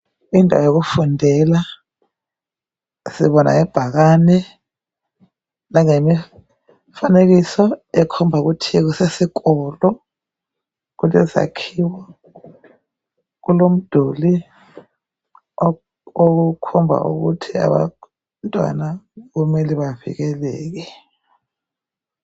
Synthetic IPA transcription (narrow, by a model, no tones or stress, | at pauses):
indʱa̰wajok̬ufundʱɛla | sḭβɔna̰ŋɛb̥ʱak̬aːnɛ | naŋemi | fanek̬isɔɛkʰɔmbʱaɣutʰik̬usesikʼɔlɔ | kulɛza̰kʰiwa | kulom̩d̥ʱoli | okukʰɔmbʱa̰ʔṵɣṵtʰia̰βa̰ | ntʼwa̰naɣumɛliβavḭɣɛlɛːk̬ɛ